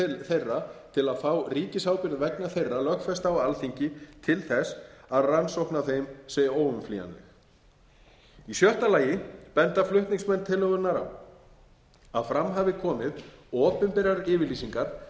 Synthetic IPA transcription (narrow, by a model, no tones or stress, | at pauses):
θejrːat̪ʰɪlaðfaːwriːcɪsawpɪɾðvɛknaθejrːalœxfɛst̪awalθiɲcɪt̪ʰɪlθɛsaðransowhknaθejmsɛoːwʏmflḭːa̰nt̪ɪ | isjœht̪alaːjɪpɛnt̪aflʏht̪niŋsmɛnːt̪ʰɪlːœɣʏnaɾa̰m | aðfɾamɦaːvɪkʰɔːmɪðɔːpɪmpɪɾaɾɪːvɪɾliːsiŋkaɾ̥